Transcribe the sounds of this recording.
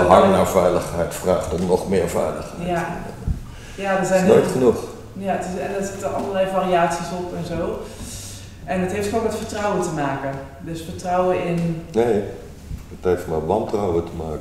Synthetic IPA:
ɦaŋnaɹvɛjləχhɛjtfraːχtɔnɔχmɪːɹvɛ̰jlə̰χhɛ̰ja | jadəzɛjnnotχənux | jaətɪsɛndɔtsɪtəʔɑ̰lˠəɹlɛjfariaːtsisɔpɛnzoː | ʔɛnətɦeftfəokʋɛtfəɹtrɔwətəmaːkə | dɵsfəɹtrɔwəɪnnej | əthejftmɛtʋɑntrawətəmaːkə

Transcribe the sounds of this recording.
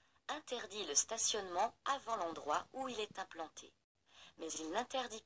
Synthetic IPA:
ɛ̃t̪ɛʁd̪iləst̪asjɔnmɑ̃avɑ̃lɑ̃d̪ʁwauilɛt̪ɛ̃plɑ̃t̪ʰḛ | mɛzilnɛ̃t̪ɛʁd̪i

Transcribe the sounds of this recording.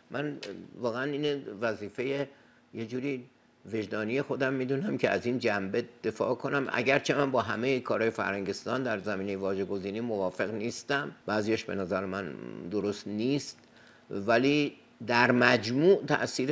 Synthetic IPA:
mʔænvɒːɣeæniːnevæziːfe̞je | jed͡ʒuːɾiː | ve̞ʒd̪ɒːnije̞xo̞d̪æmːiːd̪uːnæmcʰeæ̰zind͡ʒæmbed̪̥e̞fɒ̰ːkʰo̞næmʔæ̰ɟæɾt͡ʃʰe̞mænbɒːɦæmejekʰɒːɾhɒːjefæ̰ɾhæŋɟe̞st̪ɒːnd̪æɾzæmiːne̞jevɒːʒe̞ɡo̞ziːniːmovɒːfe̞ɣniːst̪æmb̥æːzijɒʃbe̞næzæɾemænd̪oɾo̞st̪niːst̪ | væliː | d̪æɾmæd͡ʒmuːʔt̪ʰæ̰ʔsiːɾe

